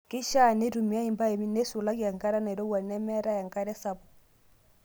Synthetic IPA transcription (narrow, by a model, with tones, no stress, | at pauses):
kɪ˦ʃa˦˨ne˦ɾu˨mi˦a˦i˨mba˦e˨mi˦ne˦su˨la˦kja˨ŋka˦ɾa˦na˨i˨ɾo˦wa˨nɛ˦mɛ˦ɾa˦ja˨ŋka˦ɾɛ˦sa˨βɔ˨